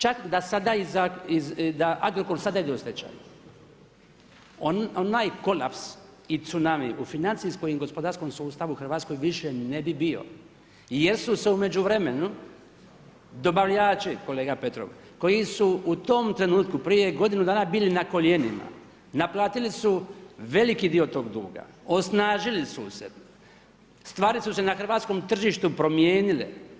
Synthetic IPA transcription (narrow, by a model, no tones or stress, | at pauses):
t͡ʃakd̪asad̪aizaizd̪aʔaɡɾokolsad̪aid̪eust̪et͡ʃa̰jṵ | oonaːjko̞laps | it̪sunamiʔufinant̪siskojimɡo̞spo̞d̪aɾskomsuuːst̪aʋuxrʋaːt̪sko̞jʋiʃenebibio̞̰ | je̞ɾsuse̞ume̞d͡ʒuʋɾe̞menu | d̪o̞baʋʎaːt͡ʃiko̞le̞ːɡape̞t̪ɾo̰ʋ | ko̞jisuut̪o̞mt̪ɾe̞nuːt̪kupɾije̞ɡo̞d̪inud̪aːnabiːlinako̞ʎe̞nima̰ | naplˠaːt̪ilisuʋe̞likid̪iːo̞t̪o̞ːɡd̪ṵːɡa̰ | o̞snaːʒilisṵse | st̪ʋaːɾisusenaxr̩ʋaːt̪sko̞mt̪r̩ʒiːʃt̪upɾo̞mjeːnilḛ